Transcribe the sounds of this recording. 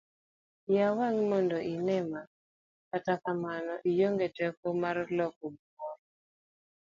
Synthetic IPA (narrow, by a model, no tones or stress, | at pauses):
jawaŋmɔndoʔinɛma | katakamanɔʔijoŋɡetɛkɔmarlɔk̚ɔbwɔɾ